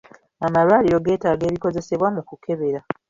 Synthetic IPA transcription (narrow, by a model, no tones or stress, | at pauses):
amalwaliɾo̞ɡe̞ːtaːɡe̞ːβiko̞ze̞se̞βwamukukʰe̞βe̞ɾa